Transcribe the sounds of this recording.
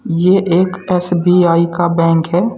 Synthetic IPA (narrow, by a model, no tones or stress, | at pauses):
jeʔeːkɛːsbiːaːikabɛ̃ːŋkɦɛː